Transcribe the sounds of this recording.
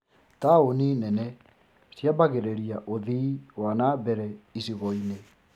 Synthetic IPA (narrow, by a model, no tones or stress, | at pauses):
taoninɛnɛ | sjabaɣeɾeɾiaʔoðiwanabɛɾɛisiɣɔine